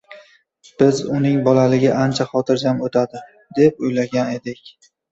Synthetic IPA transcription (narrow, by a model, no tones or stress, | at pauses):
b̥ɪzʊnɪŋbɒlalɪɡʲaʔant͡ʃʰaχɒt̪ʰɪɾd͡ʒamot̪ʰad̪ɪ | d̪̥e̞p̚ojlaɡʲane̞d̪ɪkʲ